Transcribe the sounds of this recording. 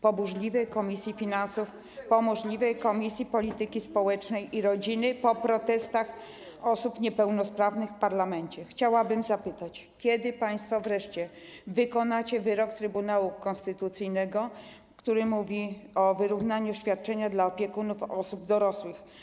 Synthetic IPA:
pɔbuʐlʲivɛjkɔmʲisʲjifʲinansuf | pɔmɔʐlʲivɛjkɔmʲisʲjipɔlʲit̪ɘkʲispɔwɛt͡ʂnɛjʔiɾɔd͡ʑinɘpɔpɾɔt̪ɛst̪ax | ɔsupɲɛpɛwnɔspɾavnɘxfpaɾlamɛɲt͡ɕɛxt͡ɕawabɘmzapɘt̪at͡ɕ | kʲjɛd̪ɘpaj̃st̪fɔvɾɛʂt͡ɕɛvɘkɔnat͡ɕɛvɘɾɔkt̪ɾɘbunawukɔnst̪ɘt̪ut̪sɘjnɛɡɔ | kt̪uɾɘmuvʲiɔvɘɾuvnaɲuɕfʲjat̪̚t͡ʂɛɲad̪laɔpʲjɛkunufɔsub̚d̪ɔɾɔswɘx

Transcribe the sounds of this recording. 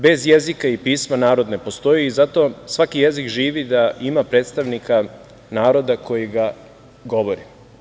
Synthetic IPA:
be̞zjezikaipiːsmanaːɾo̞d̪ne̞po̞st̪o̞jiːzat̪o̞sʋakije̞zikʒiːʋid̪aʔimapɾe̞ːt̪st̪aʋnika | naːɾo̞d̪ako̞jiɡa | ɡo̞ʋo̞ɾi

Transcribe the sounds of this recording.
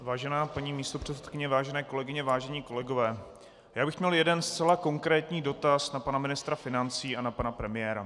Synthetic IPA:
vaːʒɛnaːpaɲiːmiːst̪opr̝̥ɛt͡sɛt̪kɪɲɛvaːʒɛnɛːko̞lɛɡɪɲɛvaːʒɛɲiːko̞lɛɡo̞vɛː | jaːbɪxmɲɛljɛdɛnst͡sɛlako̞ŋkɾɛːt̪ɲiːdo̞t̪asnapanamɪnɪst̪ɾafɪnant͡siːʔanapanapɾɛmɪjɛːɾa

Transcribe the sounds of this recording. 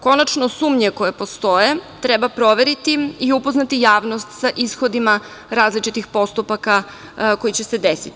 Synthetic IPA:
ko̞nat͡ʃno̞suːmɲeko̞jepo̞st̪o̞jet̪ɾɛbapɾo̞ʋe̞ɾit̪iiupo̞znat̪ijaːʋno̞st̪saʔisxo̞d̪ima | ɾaːzlit͡ʃit̪ixpo̞st̪upaka | ko̞jit͡ɕe̞se̞d̪esit̪i

